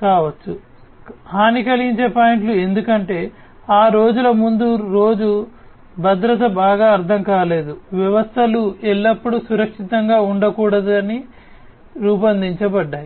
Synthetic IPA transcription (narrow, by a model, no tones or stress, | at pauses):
kaːʋɐt͡ʃːu | ɦaːnikɐliɲt͡ʃeːpaːjiɳʈlue̞nd̪ukɐɳʈe̞ː | aːɾo̞ːd͡ʒulɐmund̪uɾo̞ːd͡ʒu | bʱɐd̪ɾɐt̪̬ɐbaːɡaːɐɾt̪ʰɐŋkaːle̞ːd̪uʋjɐʋɐst̪ʰɐluɛɭːɐpːuɽusuɾɐkʂit̪ɐŋɡaːuɳɖɐkuːɽɐd̪uɐni | ɾuːpɐnd̪iɲt͡ʃɐbɐɖːaːji